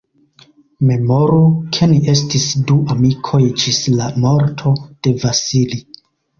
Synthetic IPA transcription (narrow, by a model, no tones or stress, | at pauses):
me̞mo̞ɾukʰe̞nie̞s̬tisduʔamikʰo̞jd͡ʒislamo̞ɾtʰo̞d̥e̞vasili